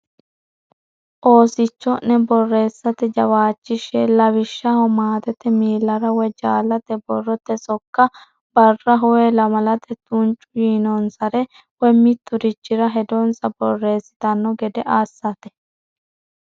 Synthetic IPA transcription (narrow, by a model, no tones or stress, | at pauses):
ʔoːsɪt͡ʃːɔnːɛbɔrːe̞ːsːɐt̪ɛd͡ʒɐwaːt͡ʃːɪʃɛlɐβɪʃːɐhɔmaːt̪ɛt̪ɛmiːlːɐɾɐwɛd͡ʒaːlɐt̪ɛbɔrːɔt̪ːɛsɔkːɐ | bɐrːɐɦɔwɛlɐmɐlɐt̪ʰɛt̪unt͡ʃʼʊjiːnɔnsɐɾɛ | wɛmɪt̪ːʊɾɪt͡ʃːɪɾɐɦɛd̪ɔnsɐbɔrːe̞ːsːɪ̥t̪ɐnːɔɡɛd̪ɛʔaːsːɐt̪ɛ̥